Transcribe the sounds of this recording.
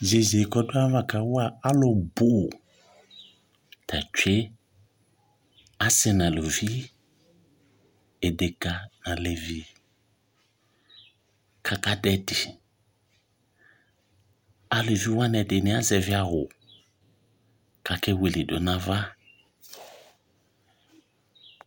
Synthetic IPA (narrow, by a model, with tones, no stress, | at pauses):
ze˨ze˨kɔ˦do˦a˦va˦ka˨wa˦a˦lʊ˨bʊ˦˨ | tʰa˨t͡ʃʷe˦ | a˦sɛ˦na˨lo˨vi˦ | e˨de˨ka˨na˨le˨vi˦ | kʰa˨ka˦dɛ˨dɪ˨ | a˨le˨vi˦wa˦nɛ˨dɪ˨nɪ˨˦a˦zɛ˨vɪ˦a˦ɦʊ˨ | ka˨kɛ˦we˨le˨do˨˦na˦va˦